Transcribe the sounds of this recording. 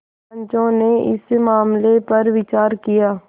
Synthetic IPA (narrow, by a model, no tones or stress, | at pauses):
ɲt͡ʃõneʔɪ̰smaːmlepɐɾʋɪt͡ʃaːɾkijaː